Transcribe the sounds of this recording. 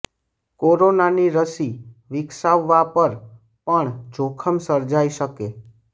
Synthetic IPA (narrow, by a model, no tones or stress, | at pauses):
koɾonaniɾəsiʋɪksaʋːapəɾ | pəɳd͡ʒokʰəmsəɾd͡ʒaiʃəke